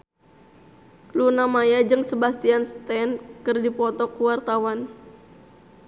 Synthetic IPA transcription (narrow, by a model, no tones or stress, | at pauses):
lunamajad͡ʒɨŋsəbast̪ianst̪ɛnkɨrdipɔt̪ɔkuwart̪awan